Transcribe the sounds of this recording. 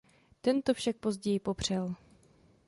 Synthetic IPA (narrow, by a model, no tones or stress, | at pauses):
t̪ɛnt̪ofʃak̚pozɟɛjɪpo̞pr̝̥ɛl